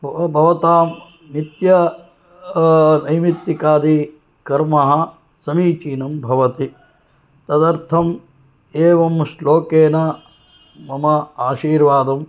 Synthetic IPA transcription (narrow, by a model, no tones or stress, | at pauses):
ɐbʱɐʋɐt̪aːm | nit̪jɐ | nɐjmit̪ːikaːd̪i | kɐɾmɐɦɐ̆ | sɐmiːt͡ʃiːnɐmbʱɐʋɐt̪i | t̪ɐd̪ɐɾt̪ʰɐm | eːʋɐmsloːkeːnɐ | mɐmɐaːʃiːɾʋaːd̪ɐm